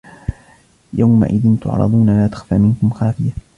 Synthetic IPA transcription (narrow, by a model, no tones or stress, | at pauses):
jawma̰ʔɪðɪnt̪ʊ̰ʕɾˤɑ̰d̪ˤuːnalaːt̪ḁxfaːmɪnkʊmxaːfɪja